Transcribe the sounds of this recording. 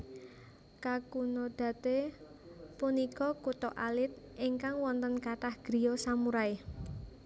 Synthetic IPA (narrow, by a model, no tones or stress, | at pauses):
kakunod̪̥ä̤t̪e | punikɔkut̪ɔʔalɪt̪̚ʔiŋkaŋwɔnt̪ənkat̪ahɡ̥ɾi̤josamuɾae